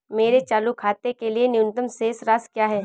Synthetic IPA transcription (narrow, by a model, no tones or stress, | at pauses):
meːɾet͡ʃaːlukʰaːt̪ekelienɪjʊnt̪əmseːsɾaːskjaːɦɛː